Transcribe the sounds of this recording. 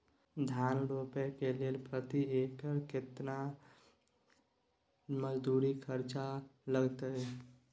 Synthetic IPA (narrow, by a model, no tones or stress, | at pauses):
d̪ʱjaːnɾopekelelpɾət̪iekəɾkɪt̪na | məd͡ʒd̪uːɾikʰəɾt͡ʃaləɡt̪əɛ